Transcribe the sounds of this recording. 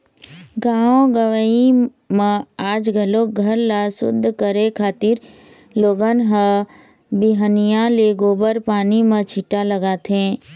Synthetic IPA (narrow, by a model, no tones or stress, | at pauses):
ɡaːõɡəʋəi | mə̃aːd͡ʒɡʱəloɡʱəɾlasʊ̰d̪ʱːkəɾekʰaːt̪ɪɾ | loːɡənɦə̃ | biɦənijãleɡoːbəɾpaːnimə̃t͡ʃʰiʈaləɡaːt̪ʰẽː